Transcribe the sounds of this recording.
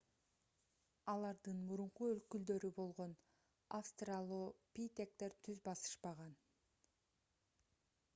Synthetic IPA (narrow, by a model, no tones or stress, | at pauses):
ɑlˠɑɾd̪ɯnmuɾuɴquølkyld̪ø̞ɾybo̞lˠʁo̞n | afst̪ralˠuːpʲit̪ʲek̚t̪e̞ɾt̪ʰyzbɑsɯ̥ʃpɑʁɑn